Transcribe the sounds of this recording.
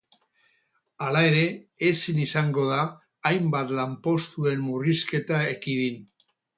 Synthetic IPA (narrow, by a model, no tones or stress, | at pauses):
alae̞ɾe̞esinisaŋɡo̞ð̞aː | jmbat̪lampo̞st̪ue̞mmuriske̞t̪aekiðin